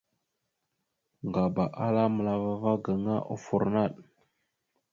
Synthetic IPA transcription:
ŋɡa˨ba˨ʔa˦la˦mə˨la˨va˦va˦ɡə˨ŋa˦ʔo̰˦fu˨ɾna˦˨ɗ

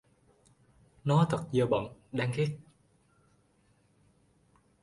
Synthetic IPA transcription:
nɔ˨˦t̪ʰə˨˩t̚zəː˨˩ɓə̰ː˧˨nɗaː˧ŋxi˦˥t̚

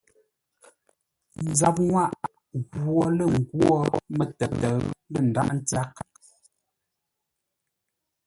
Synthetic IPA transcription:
n̩˨˦za˨p̚ŋwa˦˨ʔ | ɣɔ˨lə˦˨ŋ̩˨ɡwɔ˦mə˦tə˨tə˨lə˦˨n̩˨da̰˦ʔn̩˦t͡sa˦k̚

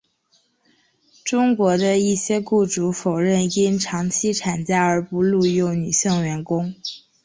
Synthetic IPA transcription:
ʈ͡ʂʊ˥ŋkwɔ˧˥d̪ə˧i˥˩ɕjɛ˥ku˥˩ʈ͡ʂu˧˥fo˨˩ʊɻə˥˩ni˥nʈ͡ʂʰɑ˧˥ŋt͡ɕʰi˥ʈ͡ʂʰa˨˩nt͡ɕja˥ə˞˧˥pu˧˥lu˥˧jo˥˩ʊny˨˩ɕi˥˩ŋɥɛ˧˥nkʊ˥ŋ

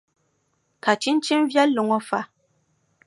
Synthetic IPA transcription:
ka˨t͡ʃi˦n̩˦t͡ʃi˦m˦vja˦lo˨ŋɔ˦fa˦˨

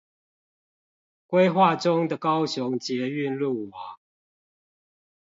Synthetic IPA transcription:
kwe˦ɪxwa˥˨ʈ͡ʂʊ˦ŋd̪ə˨kɑ˦ʊɕʊ˨˦ŋt͡ɕjɛ˨˦y˥˨nlu˥˨˩wa˨˦ŋ

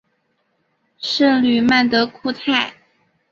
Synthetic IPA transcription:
ʂə˥˧ŋly˨˩ma˥˩nt̪ə˧˦kʰu˥˧t̪ʰa˥˩ɪ

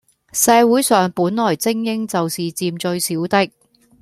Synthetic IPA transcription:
sɛː˨˧wuː˨˥jsœː˨ŋpuː˨˥nlɔː˨˩jt͡sɪ˥ŋjɪ˥ŋt͡sɐ˨wsiː˨t͡siː˨mt͡ʃɵ˧ɥsiː˨˥wt̪ɪ˥k̚

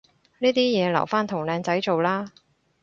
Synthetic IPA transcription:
niː˥t̪iː˥jɛː˨˧lɐ̰˨˩wfaː˥nt̪ʰʊ˨˩ŋlɛː˨˧ŋt͡sɐ˨˥jt͡so˨wlaː˥

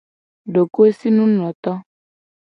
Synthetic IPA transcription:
ɖo˨ko˦e˦si˦nũ˦nɔ̃˨t̪ɔ˦

